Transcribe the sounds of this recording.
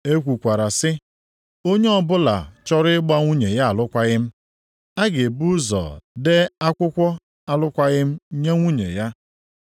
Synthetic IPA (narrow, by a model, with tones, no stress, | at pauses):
e˦kʷu˨kʷa˨ɾa˨sɪ˦ | o˦ɲe˦ɔ˦bʊ˦la̰˨t͡ʃɔ˦ɾɪ˦ɪ˦ɡ͡ba˦ŋʷu˦ɲe˨ja˦a˨lʊ˦kʷa˦ɣɪ˦m̩˦ | a˦ɡe˨bu˦zɔ̰˨de˦a˦kʷʊ˦kʷɔ˦ | a˨lʊ˦kʷa˦ɣɪ˦m̩˦ɲe˦ŋʷu˦ɲḛ˨ja˦